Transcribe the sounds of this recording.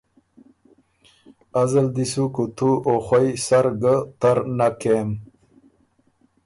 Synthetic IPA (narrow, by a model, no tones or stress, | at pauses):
azəld̪isukut̪ʰuoχajsaɾɡət̪aɾnakem